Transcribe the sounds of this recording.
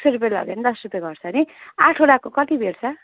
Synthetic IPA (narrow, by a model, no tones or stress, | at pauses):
seɾupelʌ̰ɡenid̪ʌsɾut̪eɡʌrt͡sʰʌniaʈʰoɽakokʌt̪ibʱeɽt͡sʰʌ